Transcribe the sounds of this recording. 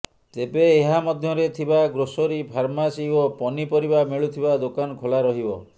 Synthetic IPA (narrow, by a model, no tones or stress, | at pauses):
t̪ebeːɦamɔd̪ʱjɔɾet̪ʰibaɡɾosɔɾipʰaɾmasiopɔnipɔɾibameɭut̪ʰibad̪okanɔkʰolaɾɔɦibɔ